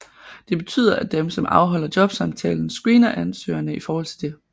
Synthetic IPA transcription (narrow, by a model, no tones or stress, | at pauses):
d̥e̝b̥e̝t͡sʰy̰ːð̰ˠɐʔæd̥emsɒ̽mʔɑ̈ʊɦɒ̽l̰ɐd̥jɒ̽b̥sɑ̈mt͡sʰɛ̰ːln̩sɡ̥ʁiːnɐʔænsø̰ːɐnəifɒːhɒ̽l̰t͡sʰe̝d̥e̝